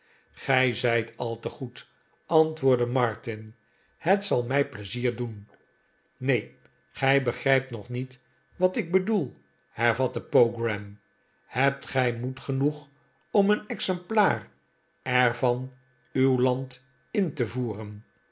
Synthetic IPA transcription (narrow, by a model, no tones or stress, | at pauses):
χɛjzɛjtɑlˠtəχut | ʔɑntʋʊːɹdəmɑɹtɪn | hətsɑlˠmɛjpləziːɹdun | nej | χɛjbəχrɛjp̚tnɔχnit | ʋɑtɪɡ̚bədulˠ | hɛɹvɑtəpowɡrɛm | hɛp̚tχɛjmutχənuχ | ɔmənɛksɛmplaːr | ɛɹvɑn | ywlɑnt | ɪntəvuːrən